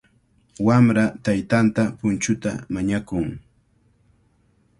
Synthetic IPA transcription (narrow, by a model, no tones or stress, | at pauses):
wamɾat̪ajt̪ant̪apʊnt͡ʃʊt̪a̰maɲakʊŋ